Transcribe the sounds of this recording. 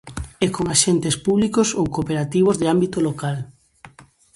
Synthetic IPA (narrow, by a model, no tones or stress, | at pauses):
ɛkoŋaʃent̪espuβlikosowkopeɾat̪iβ̞ozðɪambit̪olokal